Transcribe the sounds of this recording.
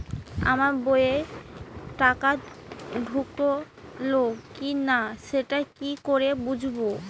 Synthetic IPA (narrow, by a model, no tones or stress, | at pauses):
a̰maɾboee | ʈakaɖʱuko | loɡkinaʃeʈakikoɾebud͡ʑʱbo